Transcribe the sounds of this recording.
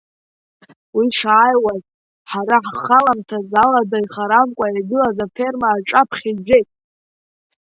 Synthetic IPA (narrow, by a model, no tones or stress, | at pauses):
wiʂaajwaz | ħaɾaħχalamtʰazaladaiχaɾamkʷʼajaɡɨlazafe̞rmaːʈ͡ʂʼapʰχʲid͡ʒʷᶣejtʼ